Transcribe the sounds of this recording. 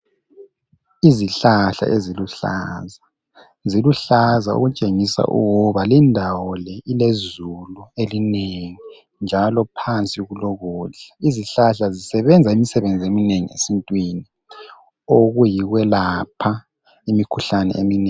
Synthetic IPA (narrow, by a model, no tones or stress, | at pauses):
iziɬaɬa̰ʔeziluɬa̰za | ziluɬazaṵɣut͡ʃʼeŋisa̰ʔṵɣuβalindʱawɔlɛilezuluelineŋi | nd͡ʒʱalɔpʰant͡sʼiɣulɔɣuːɮaiziɬaɬazisɛβɛnd͡zʱaimisɛβend͡zʱiemineŋḭḛsintʼwini | oɣujiɣwɛlapʰa | imikʰuɬanɛ̰ḛmineːŋ